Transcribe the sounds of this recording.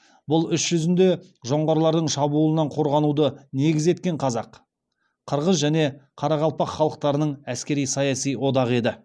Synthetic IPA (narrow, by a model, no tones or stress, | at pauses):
bʊlˠʏʃʒ̥ʏzɪnd̪e̞ | ʒo̞ɴʁɑɾlˠɑɾd̪əɴʃɑbuːlˠənɑɴqʰo̞ɾʁɑnud̪əne̞ɡʲɪze̞t̪̚kʲe̞ɴqʰɑzɑq | qʰəɾʁəzʒæne̞qʰɑɾɑʁɑlˠpɑqχːɑlˠəq̚t̪ɑɾənəɴæskʲe̞ɾijsɑjɑsijwo̞d̪ɑʁe̞d̪ɪ